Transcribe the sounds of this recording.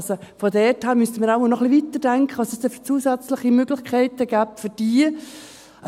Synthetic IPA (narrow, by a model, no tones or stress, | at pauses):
sofɔdɛthæːɾmystənmiːɾaʊmɑlnɔχlivitəd̥ɛŋkχəʋɑsɛsd̥ɛft͡suːsæt͡sləχimøɡ̥lɪçkʰɛɪtəɡ̥æːp̚tfʏd̥iː